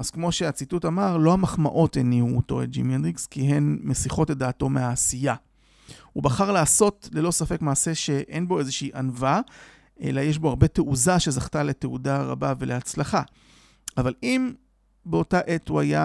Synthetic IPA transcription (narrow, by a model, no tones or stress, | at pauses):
az̥kmo̞ʃe̞at͡situtamaʁlo̞hamaχma̰ʔo̞teniuːto̞ḛt̚d͡ʒḭmenʁikskiɦe̞nmesiχo̞tedaːto̞meaːsija | ubaχaʁlaːso̞tle̞lo̞safe̞kmaːse̞ʃe̞ʔe̞nbo̞e̞zeʃeiʔanva | ʔe̞̰lajeʃ̬bo̞aʁbe̞teʔuzaʃe̞zaχtale̞teudaʁa̰bave̞leat͡slaχa | avalim | beo̞taʔe̞thuaja